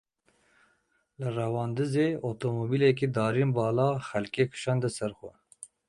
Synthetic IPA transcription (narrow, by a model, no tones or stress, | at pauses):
lɨrɛwɑːnd̪ɨzeːot̪omobiːlɛkid̪ɑːɾinbɑːlɑːxɛlkeːkʰɨ̥ʃɑːnd̪ɨsɛɾxʷɛ̰